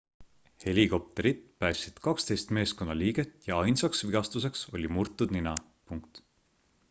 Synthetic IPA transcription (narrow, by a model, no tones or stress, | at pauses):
he̞lʲiko̞p̚t̪e̞ɾid̪pæːsːid̪̥kɑkst̪e̞jst̪me̞ːsko̞nːɑliːɡ̥e̞t̪jɑɑjnsɑksviɡ̥ɑst̪use̞kso̞lʲimurt̪ːˑud̪ninɑ | puŋkt̪